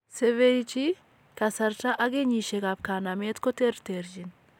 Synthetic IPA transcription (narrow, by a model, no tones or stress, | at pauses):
sɛvejt͡ʃi | kɐsɐɾtaʔaɡeɲiʃeɡapkanamet̪kɔt̪eɾt̪eɾd͡ʒin